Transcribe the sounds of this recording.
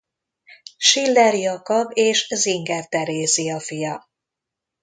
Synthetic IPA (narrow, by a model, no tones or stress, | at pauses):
ʃilːɛɾijɒkɒbeːʃziŋɡɛrt̪ɛɾeːziɒfijɒ